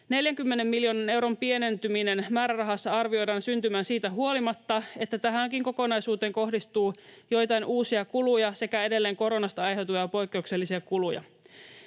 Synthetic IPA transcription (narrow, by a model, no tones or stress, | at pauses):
ne̞ljæŋkymːene̞mːiljo̞ːnɑne̞wɾo̞mpie̞ne̞nt̪yminenmæːɾærɑɦɑsːɑɑrʋio̞jdɑːnsynt̪ymæːnsiːt̪æɦuo̞limɑt̪ːɑe̞t̪ːæt̪æɦæŋkiŋko̞ko̞nɑjsuːt̪eːŋko̞hdist̪uːjo̞jt̪ɑjnʔuːsiɑkulujɑse̞kæe̞de̞lːeːŋko̞ɾo̞nɑst̪ɑɑjɦe̞wt̪ujɑpo̞jkːe̞ukse̞lːisiɑkulujɑ̰